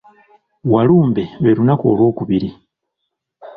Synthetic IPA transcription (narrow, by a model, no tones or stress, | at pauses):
waluːmbeβeɾunako̞̰ːlwo̞ːkuβiɾi